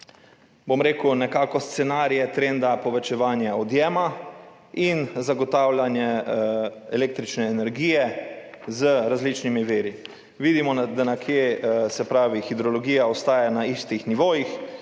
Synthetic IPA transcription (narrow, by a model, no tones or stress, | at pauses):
bomɾeːkunɛkaːkɔst̪sɛnaːɾijɛt̪ɾend̪apɔʋɛt͡ʃɛʋaːnjaɔd̪jɛːma | inzaɡɔt̪awlanjɛ | ɛleːk̚t̪ɾit͡ʃnɛːnɛɾɡiːjɛ | zəɾazlit͡ʃnimiʋeːɾi | ʋiːd̪imɔnd̪anakʰjesɛpɾaːʋixid̪ɾɔlɔɡiːjaɔst̪aːjanaist̪ixniʋoːjix